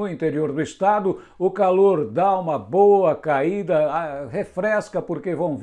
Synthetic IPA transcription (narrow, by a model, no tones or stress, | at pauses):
ʊĩnt̪eɾioɾd̪ʊest̪ad̪ʊ | ʊkaloɾd̪aũmɐboɐkaid̪ɐhefɾɛskɐpoɾkevɐ̃w̃